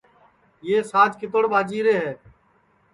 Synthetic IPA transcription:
jeːsaːd͡ʒkɪt̪̬əɽɓaːd͡ʒiːɾeːɦɛː

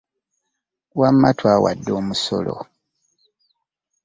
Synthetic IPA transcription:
wamːatwawa̰dːoːmuso̰lo̰

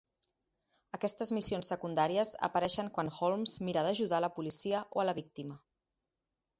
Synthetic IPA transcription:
əkɛst̪əzmisionsːəkund̪aɾiəzə̰pəɾɛʃəŋkwanxolmzmiɾəðəʒuðaləpulisiəʔoələβik̚t̪imə

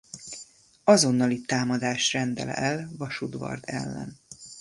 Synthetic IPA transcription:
ɒzo̞nːɒlit̪aːmɒd̪aːʃrɛnd̪ɛlɛ̰ɛlvɒʃud̪vɒ̰rd̪ɛ̰lːɛ̰n

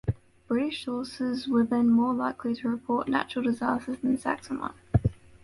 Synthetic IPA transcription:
b̥ɹɪɾɪʃsɔˑsɪzwəðə̃nmɔːlaɪkʰlitʰəɹɪpʰɔˑʔna̰t͡ʃɹəl̩ˠdɪzɑˑstəzə̃nsa̰ksəmə̰̃n

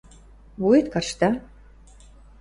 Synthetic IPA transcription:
βujet̪kɑrʃt̪ɑ

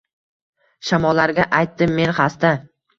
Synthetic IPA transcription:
ʃamɒlːaɾɡʲaʔajt̪ːɪmːe̞nχast̪a

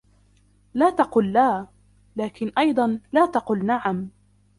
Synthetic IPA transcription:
laːt̪ɑquːlːaː | laːkɪnʔɑjd̪ˤɑnlaːt̪ɑqʊːlnaʕam

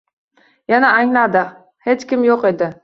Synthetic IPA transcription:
janaːŋlad̪ɪ | he̞t͡ʃkʲɪmjoqe̞d̪ɪ

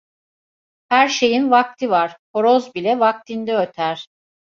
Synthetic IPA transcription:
hæɾʃe̞jinvak̚t̪ʰivaɾ̥poɾozbilʲɛvak̚t̪ʰind̪ɛøt̪ʰæɾ̥

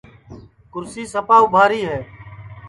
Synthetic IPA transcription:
kʊɾsiːsəpaːubʱaːɾiːɦɛː

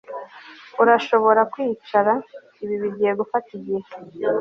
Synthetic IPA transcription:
uɾaʃo̞βo̞ɾakwiːt͡ʃaɾa | iβiβiɟihe̞ɡufatiɟihe

